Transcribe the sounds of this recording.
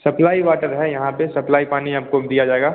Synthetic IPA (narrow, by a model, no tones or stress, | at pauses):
sɐplaːiʋaːʈəɾɦɛjɐɦãpesɐplaːipaːniaːp̚kod̪ijad͡ʒaːeːɡaː